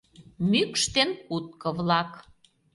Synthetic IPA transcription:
mykʃt̪enkut̪̚kɤ̆βlɑk

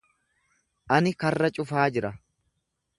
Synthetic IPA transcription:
ʔɐnɪkɐrːɐt͡ʃʼʊfaːd͡ʒɪɾɐ

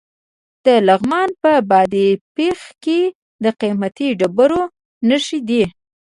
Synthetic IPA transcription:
d̪̥əlaɣmɑnpəbɑd̪ipexke | d̪əqimat̪iɖabəɾo | nəʃid̪i

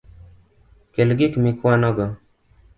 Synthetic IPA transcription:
kelɡɪkmɪkwanɔɡɔ

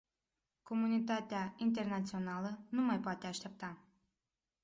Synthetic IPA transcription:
komunʲit̪at̪ʲeaint̪ernat̪t͡sionalənumajpoat̪ʲeaʃt̪ʲep̚t̪a

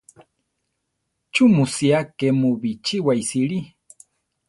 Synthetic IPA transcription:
t͡ʃumusiakemuβit͡ʃiwaisiɺi

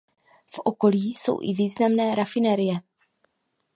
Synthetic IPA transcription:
fʔo̞ko̞liːso̞̰wʔɪ̰viːznamnɛːɾafɪnɛɾɪjɛ

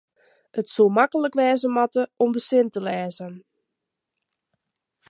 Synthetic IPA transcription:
ətsomakələkʋɛːzəmɑtəʔɔmdəsɪntəlɛːzən

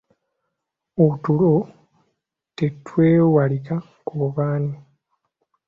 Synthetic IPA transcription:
outulo | tetweːwalika | koβaːni

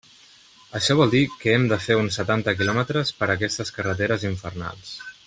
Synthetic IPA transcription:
əʃɔβɔlˠd̪ikəɛmd̪əfeunsːət̪ant̪əkilɔmət̪ɾəspəɾəkɛst̪əskərət̪̬eɾəziɱfərna̰lˠs

